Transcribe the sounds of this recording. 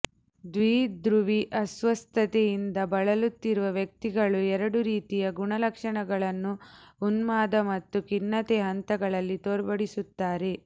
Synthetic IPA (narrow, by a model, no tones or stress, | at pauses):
d̪ʋiːd̪ɾuʋiʔɐsʋɐst̪ʰɐt̪ejind̪ɐbɐɭɐlut̪ːiɾuʋɐʋjɐk̚t̪iɡɐɭuɛɾɐɽuɾiːt̪ijɐɡuɳɐlɐkʂɐɳɐɡɐɭɐnːuːnmaːd̪ɐmɐt̪ːukinːɐt̪eɦɐnt̪ɐɡɐɭɐlːit̪oːɾbɐɽisut̪ːaːɾe̞